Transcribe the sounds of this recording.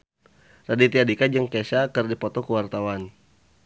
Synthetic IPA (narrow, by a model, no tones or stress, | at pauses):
radit̪iadikad͡ʒəŋkesakərdipɔt̪ɔkəwart̪awan